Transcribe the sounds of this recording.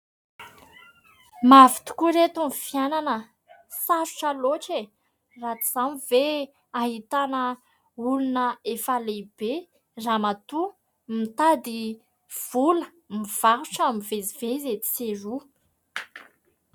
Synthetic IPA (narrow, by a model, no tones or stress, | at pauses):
mavi̥t̪u̥kuɾet̪umifjananə | saʃu̥ʈ͡ʂəloʈ͡ʂe | rat͡s̪i̥z̥amive | aɦit̪anə | ulunəefalebe | ramat̪u | mit̪ad̪i | v̥ulə | miv̥aɾuʈ͡ʂamivezivezet̪i̥seru